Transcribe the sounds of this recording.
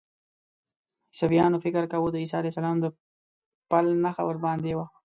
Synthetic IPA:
safijɑnofɪkəɾkawod̪əisɑːlajsalɑːmd̪ə | palnaxa̰wəɾbɑnd̪ewa

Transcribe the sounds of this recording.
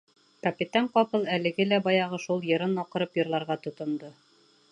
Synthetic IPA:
kɐpʲit̪ɑɴqɑpɤlˠælɘ̆ɡɘlæbɑjɑʁɤʃulˠjɤ̆ɾɤnɑqɤ̆ɾɤpjɤ̆ɾlˠɑɾʁɑt̪ŏt̪ŏnd̪o

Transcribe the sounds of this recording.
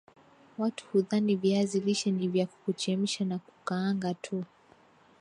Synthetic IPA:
watu̥huðaniviaziliʃɛnivjaku̥kut͡ʃɛm̩ʃanaku̥kaːŋɡatʰu

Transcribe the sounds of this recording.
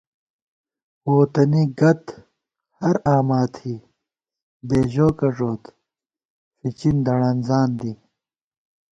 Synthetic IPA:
oːt̪ɐniɡɐt̪ | hɐɾaːmaːt̪hiː | beːʑoːkɐʐoːt̪ | fit͡ɕind̪ɐɽɐnzaːnd̪i

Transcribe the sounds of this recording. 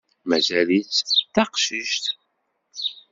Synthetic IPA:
mæzælit͡sθɑqʃiʃt̪

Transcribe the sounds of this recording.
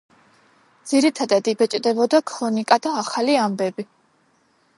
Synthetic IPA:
d̪z̥iɾit̪ʰad̪ad̪ibɛt͡ʃʼd̪ɛbɔd̪akʰʼɾɔnikʼad̪aːχaliambɛbi

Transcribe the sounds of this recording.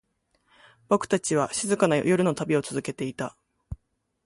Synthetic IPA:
bo̞kɯ̟̥t̪at͡ɕiβ̞aɕizɨkanajo̞ɾɯ̟no̞t̪abʲio̞t͡sɨzɨke̞t̪e̞it̪a

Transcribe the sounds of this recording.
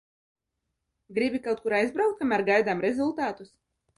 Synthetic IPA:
ɡɾibʲikawt̪̚kuɾajzbɾawk̚t̪̚kamʲæɾɡajd̪amɾɛzulˠt̪aːt̪us

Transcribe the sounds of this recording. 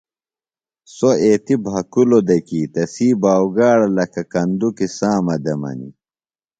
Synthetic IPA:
soeːt̪ibʱɦɐkulod̪ɐkiːt̪ɐsiːbaːwɡaːɽɐlɐkɐkɐnd̪ukisãːmɐd̪ɐmɐ̰nḭ

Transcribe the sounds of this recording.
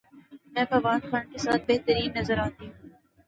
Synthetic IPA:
mɛ̃ːfɐʋaːd̪xaːnkesa̰ːt̪̚beɦt̪əɾiːnːɐzəɾaːt̪iɦũː

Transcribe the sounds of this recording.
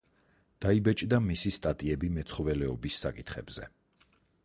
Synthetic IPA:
d̪̥aibɛt͡ʃʼd̪amisist̪ʼat̪ʼiɛbimɛt̪sʰχɔvɛlɛɔbisːakʼit̪ʰχɛ̰bz̥ɛ̰

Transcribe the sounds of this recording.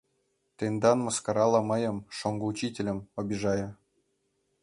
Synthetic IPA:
t̪ʲend̪ɑnmɤ̆skɑɾɑlˠɑmɤ̆jɤ̆mʂoŋɡɤut͡ɕitʲelʲɘ̆mŏbʲiʐɑjɤ̆

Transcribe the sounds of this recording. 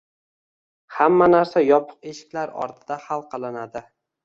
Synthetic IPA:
hamːanaɾsajɒpʰʊ̥qe̞ʃɪ̥kʲlaɾɒ̰ɾt̪ʰɪd̪ahalˠqʰɑlˠɪnad̪ɪ

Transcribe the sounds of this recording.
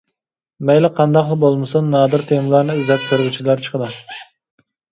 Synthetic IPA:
mɛjlɛqʰɑnd̪ɑqlˠɨbolˠmɨsɨnːɑːd̪ɨɾt̪ʰemlˠɑɾnɨyzɛt̪̚ʲk̪ʲʰøɾʁyt͡ʃʰilˠɑɾt͡ʃʰə̥qʰəd̪ɨ

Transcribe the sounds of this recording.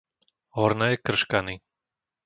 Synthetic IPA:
ɦɔɾnɛːkr̩ʃkani

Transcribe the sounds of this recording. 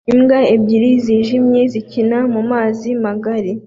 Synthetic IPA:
imɡaebɟiɾiziːʒimɲe̞zicinamumaːzimaɡaɾi

